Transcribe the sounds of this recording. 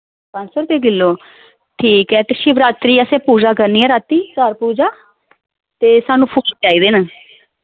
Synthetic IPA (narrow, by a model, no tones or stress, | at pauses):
pə̃ːnsəɾt̪eːɡɪlːoː | ʈʰiːkɛːt̪ɪʃiːʋɾaːt̪ɾiːəsẽːpuːd͡ʒaːkəɾniːɛːɾaːt̪iːkəɾpuːd͡ʒaː | t̪eːsaːnũːpʰulʈaːiːd̪eːnaː